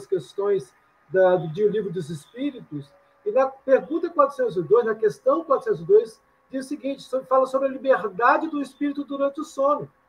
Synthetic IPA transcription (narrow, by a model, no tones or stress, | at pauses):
skest̪õj̃s | d̪ɐd̪ʊd͡ʒiʊlivɾʊd̪ʊzɪspiɾit̪ʊs | ɪnɐpeɾɡũnt̪ɐkwat̪ɾʊsẽnt̪ʊzɪd̪ojznɐkest̪ɐ̃w̃kwat̪osẽt̪ʊzɪd̪ojs | d͡ʒizɐsɪɡĩt͡ʃɪ̥sobɾɪfalɐsobɾɐlibeɾd̪ad͡ʒɪd̪ʊispiɾit̪ʊd̪uɾɐ̃nt͡ʃɪʊsõnʊ